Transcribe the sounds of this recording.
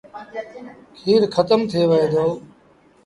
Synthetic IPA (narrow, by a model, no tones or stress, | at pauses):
kʰiːɾkʰət̪əmt̪ʰeːʋəɦeːd̪ʱoː